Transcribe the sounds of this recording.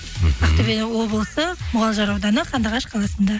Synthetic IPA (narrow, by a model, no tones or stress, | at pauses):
ɑqt̪ebenɪwo̞blˠəsəmʊʁɑlˠʒɑɾɑwd̪ɑnəqʰɑnd̪ɑʁɑʃqʰɑlˠɑsənd̪ɑ